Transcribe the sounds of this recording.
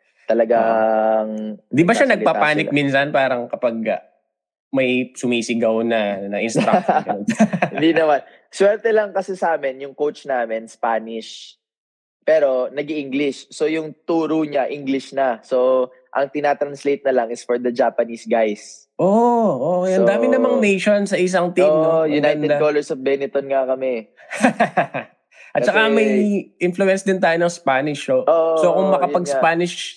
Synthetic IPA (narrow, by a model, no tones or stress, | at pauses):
t̪ɐlɐɡaŋnd̪ibɐʃanɐɡ̚papaːnɪminsanpaːɾɐŋkɐpɐɡ̚ɐ | mɐjsʊmiːsɪɡɐwnɐnɐʔɪnst̪ɾa | hɪnd̪inɐman | swɛɾt̪ɛlɐŋkɐsɛsaːmɪnjʊŋkowt͡ʃnaːmɪnspaːnɪʃ | pɛːɾo̞nɐɡiʔiŋɡlɪʃso̞jʊŋt̪uːɾoɲaʔiŋɡlɪʃnɐso | ʔɐ̰ŋt̪ɪnaːt̪ɾɐnslejt̪̚nɐlɐŋɪsfɔɹd̪ɐd͡ʒaːpɐnisɡajs | ʔoʔokɛjʔɐnd̪aːmɪnɐmɐŋnejʃonsɐʔɪs̬ɐŋt̪imnojʊnajnɛd̪kolɛɹsɔfbɛnɪt̪onŋakɐmɛ | ʔɐt̪t͡ʃɐkaŋmɐjʔɪnflʊɛnsd̪ɪnt̪̬aːjonɐŋspaːnɪʃoʔosokʊŋmɐkɐɐɡspaːnɪʃ